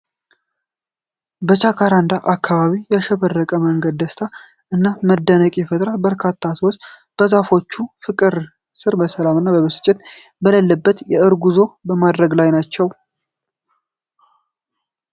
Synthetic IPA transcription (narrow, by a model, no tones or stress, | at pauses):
bət͡ʃʼakʰaɾand̪aʔakʰːaβaβijaʃɛβərːəkʼəməŋɡəd̪ːəst̪ʰa | ɨnːaməd̪ːənəkʼɛfət̪ʼɾat̪bəɾkʰat̪ʰːasəwos | b̥əzafo̞t͡ʃːufɨkʼɨɾ | sɨɾbəsəlamɨnːabəβɨsɨ̥t͡ʃʼːɪt̪ | bələlːəbːət̪jɛɨɾɡuzo̞bəmad̪ɾəɡlajnat͡ʃːɛw